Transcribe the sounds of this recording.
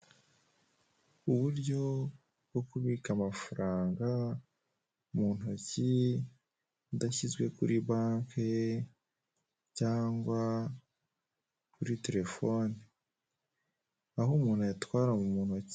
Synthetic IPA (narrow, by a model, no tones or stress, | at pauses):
uβuɾɟo̞ | bɡo̞kuβikamafuɾaːŋɡa | umuːn̥oci | udaçizɡwe̞kuɾiβaːŋke | caːŋɡwa | kuɾite̞ɾe̞fo̞ni | aɦumuːn̥hujatwaːɾamumuːn̥hoci̥